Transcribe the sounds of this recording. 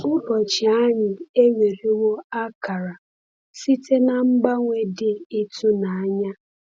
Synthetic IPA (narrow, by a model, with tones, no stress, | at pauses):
ʊ˦bɔ˨t͡ʃɪ˨a˦ɲɪ˨e˦wʷe˨ɾi˦wo˦a˦ka˨ɾa˨ | si˦tʰe˦na˨m̩˦ɡ͡ba˦ŋʷe˦dɪ˦i˦tu˦na˨a˦ɲa˦